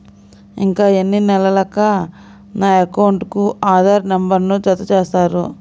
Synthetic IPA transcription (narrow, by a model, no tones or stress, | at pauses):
ḭŋkaːenːinɛlɐlɐkɐ | naːɐkɐwɳʈkuaːd̪ʱaːɾnɐmbɐɾnut͡ʃɐt̪ːut͡ʃeːst̪aːɾṵ